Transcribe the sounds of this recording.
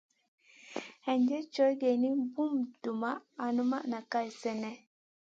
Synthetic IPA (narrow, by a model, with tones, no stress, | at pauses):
hɛ˨ɲd͡ʒɛ˦t͡ʃɔ˦jɡe˨ni˦bu˦mdu˨maː˦˨nu˦ma˦na˨ka˦jsɛ˦nɛ˦